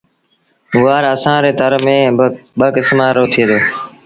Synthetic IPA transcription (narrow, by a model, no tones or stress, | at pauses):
ʊʋaːɾəsãːɾeːt̪əɾmẽːɓəkɪsmaːɾoːt̪ʰieːd̪oː